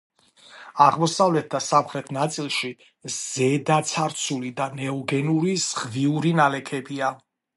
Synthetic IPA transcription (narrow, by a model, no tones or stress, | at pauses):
aʁmɔsavlɛt̪̚d̪asamχɾɛt̪ʰnat̪sʼilˠʃi | z̥ɛd̪at̪sʰaɾt̪sʰulid̪anɛɔɡɛnuɾiz̥ʁviuɾinalɛkʰɛbia